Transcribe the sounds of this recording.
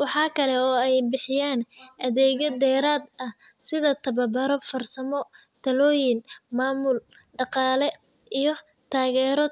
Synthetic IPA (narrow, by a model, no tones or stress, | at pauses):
wɑħɑːkʰɐlɛɔːɛjbɪħɪjaːnʔɐðɛːɣɔd̪ɛːɾaːd̪ɐ | sɪðɐt̪ʰɐβɐbɐɾɔfɐrsɐmɔ | t̪ʰɐlɔːjɪnmaːmʊl | ɖɑqɑːlɛ | ijɞ | t̪ʰaːɣɛːɾɔ